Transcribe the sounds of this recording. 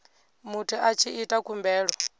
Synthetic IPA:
mutʰiʔat͡ʃʰiʔitʼakʰumbɛːɺɔ

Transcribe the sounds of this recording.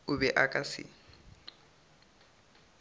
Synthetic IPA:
ʊbɛʔakʼasɪ̰

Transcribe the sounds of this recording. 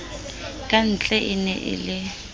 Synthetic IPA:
kʼan̩t͡ɬʼɛʔɪnɛ̰ʔɪ̰lɪ

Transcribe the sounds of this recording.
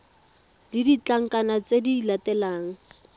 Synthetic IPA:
didit͡ɬaŋ̩kʼanat͡sedilatɛlaːŋ̩

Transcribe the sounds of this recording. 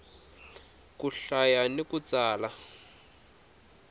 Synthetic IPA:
kuɬajanikut͡saːla

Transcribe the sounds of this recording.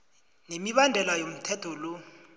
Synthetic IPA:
nemiɓandʱɛlajom̩tʰɛtʰɔlo

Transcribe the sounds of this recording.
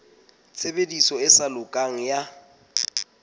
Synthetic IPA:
t͡sʰebedisɔɪsalʊkʼaŋ̩ja

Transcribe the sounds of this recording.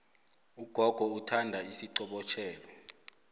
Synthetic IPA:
uɡ̥ʱɔɡ̥ʱɔutʰandʱaisiǀɔɓɔt͡ʃʰɛːlɔ

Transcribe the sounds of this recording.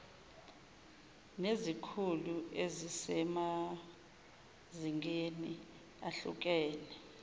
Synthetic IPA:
nezikʰuluezisɛma | ziŋeni | aɬṵk̬ɛːnɛ

